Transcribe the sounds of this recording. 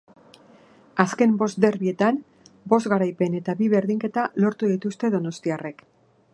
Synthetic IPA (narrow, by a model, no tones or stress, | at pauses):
aske̞mbo̞sd̪e̞ɾβie̞t̪an | bo̞zɣaɾajpe̞ne̞t̪aβiβe̞ɾðiŋke̞t̪alo̞ɾt̪uðit̪ust̪e̞ðo̞no̞st̪iare̞k